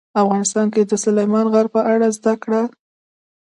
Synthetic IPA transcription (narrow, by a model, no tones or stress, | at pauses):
afɣɑnɪst̪ɑnked̪əsʊlajmɑnɣaɾ̚pəʔaɽazd̪akɽa